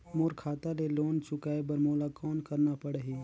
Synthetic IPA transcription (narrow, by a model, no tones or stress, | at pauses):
moːɾkʰaːt̪aleloːnt͡ʃʊkaːebəɾmoːlakɔːnkəɾnapəɽeɦiː